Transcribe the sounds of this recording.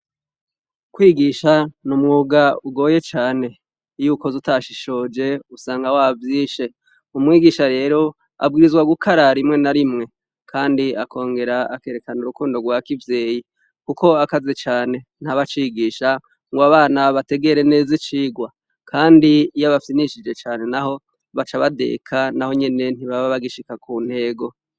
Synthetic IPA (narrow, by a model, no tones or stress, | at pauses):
kwiːɡiːʃanumŋuɡauɡo̞ːje̞t͡ʃaːne̞ | juːkozutaʃiʃo̞d͡ʒe̞usaːŋɡawavjiːʃe̞ | umŋiːɡiʃaɾe̞ːɾo̞ | a̰b̚ɡiːɾizɡwaɡukʰaɾaɾimŋe̞naɾimŋe̞ | kʰaːndiakʰo̞ːŋɡe̞ɾaake̞ːɾe̞kanuɾukuːndo̞ɡwakivje̞ːji | kuko̞akazet͡ʃaːne̞n̥haβat͡ʃiɡiːʃa | ŋɡoaβaːnaβate̞ɡe̞ɾene̞ːzit͡ʃiːɡwa | kʰaːndijaβafsiniʃid͡ʒe̞t͡ʃaːne̞naɦo̞ | βat͡ʃaβade̞̰kʰanaho̞ɲe̞ne̞n̥hiβaβaβaɡiʃikakuːn̥he̞ːɡo̞